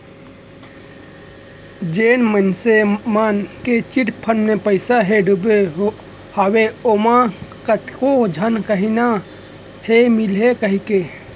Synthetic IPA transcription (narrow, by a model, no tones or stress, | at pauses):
d͡ʒeːnmənsemaːnket͡ʃiʈpʰənmẽpəɪsaɦeɖʱubeɦo | haːweomãkət̪kod͡ʒʱənkəɦina | hemilekəɦike